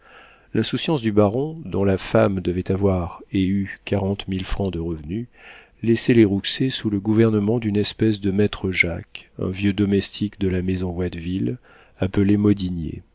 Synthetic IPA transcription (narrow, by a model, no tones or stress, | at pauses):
lʔɛ̃susjɑ̃sd̪ybaʁɔ̃d̪ɔ̃lafamd̪əvɛt̪avwaʁeykaʁɑ̃t̪milfχɑ̃d̪əʁəvny | lɛsɛleʁuksesuləɡuvɛʁnəmɑ̃d̪ynɛspɛsd̪əmɛt̪χəʒa̰kɛ̰̃vjød̪ɔmɛst̪ʰikd̪əlamezɔ̃wad̪vil | apəlemɔd̪injḛ